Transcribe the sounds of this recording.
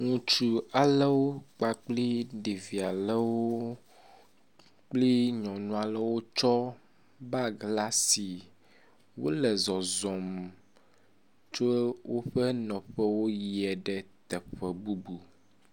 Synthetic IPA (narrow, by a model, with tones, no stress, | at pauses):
ŋũ˨t͡ʃu˨a˨lɛ˦wo˦k͡pa˨k͡pli˦ɖe˨vi˨a˨lɛ˦wo˦ | k͡pli˦ɲɔ̃˨nũ˦a˨lɛ˦wo˦t͡ʃɔ˦ | ba˦ɡla˦si˨ | wo̰˦lɛ˨zɔ˨zɔ˨m | t͡ʃo˦wo˦ɸɛ˦nɔ̃˨ɸɛ˦wo˦ji˨ɛ˨ɖɛ˦t̪ɛ˨ɸɛ˨bu˦bu˨